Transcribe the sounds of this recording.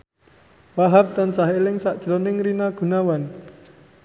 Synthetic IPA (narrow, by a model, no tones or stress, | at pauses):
waɦap̚t̪ansaɦelɪŋsaʔd̥ʒ̥əɾɔnɪŋɾinaɡ̥ṳnawan